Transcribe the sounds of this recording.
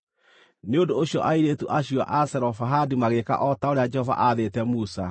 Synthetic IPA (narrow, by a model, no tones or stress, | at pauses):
neondooɕjɔʔaiɾetuʔaɕia̰ʔasɛɾɔfaɦadimaɣeka̰ʔɔtaoɾead͡ʒɛhɔva̰ʔaðetɛmusa